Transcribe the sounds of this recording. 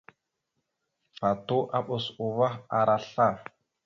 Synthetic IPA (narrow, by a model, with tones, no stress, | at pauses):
fa˨tu˦ʔa˦ɓo˨su˨va˦a˨ɾa˨ɬa˦˨